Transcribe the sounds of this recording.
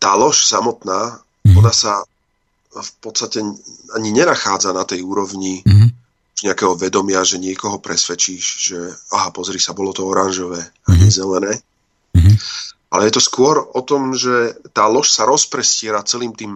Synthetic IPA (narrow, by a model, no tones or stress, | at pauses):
t̪aːlɔʃsamɔt̪naː | ɔnasa | fpɔt̪st̪acɛaɲiɲɛnaxaːd͡zanat̪ɛjuːɾɔʋɲi | uʒɲɛakɛːɦɔʋɛd̪ɔmɪaʒɛɲɪɛkɔɦɔpɾɛsʋɛt͡ʃiːʒʒ̥ɛaɦapɔzɾisabɔlɔt̪ɔɔɾanʒɔʋɛː | aɲɛzɛlɛnɛː | alɛjɛt̪ɔskʊɔɾɔt̪ɔmʒɛt̪aːlɔʃsaɾɔspɾɛscɪɛɾat͡sɛliːmt̪iːm